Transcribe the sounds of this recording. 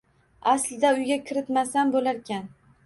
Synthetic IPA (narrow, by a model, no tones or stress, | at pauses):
aslɪd̪aʊjɡʲakʲʰɪɾɪt̪masanbolaɾkʲan